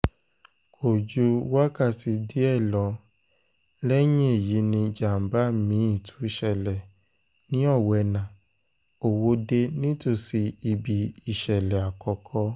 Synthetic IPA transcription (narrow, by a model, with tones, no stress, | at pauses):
kʰo˨d͡ʒu˧˦wa˦ka˦˨ti˧di˦ɛ˦˨lɔ˧˦ | lɛ˦j̃ĩ˦e˦˨ji˨˦nĩ˧d͡ʒa˨m̩˨˦ba˦mĩ˨˧˦ĩ˦˨tʰu̥˨˦i˦˧ʃɛ˦˨lɛ˨ | nĩ˨˦ɔ˦˨wɛ˧˨nã˨ | o˨wo˧de˧nĩ˦to˦˨si˧i˧˨bi˨i˨ʃɛ˨lɛ˨a˨kɔ˧kʰɔ˧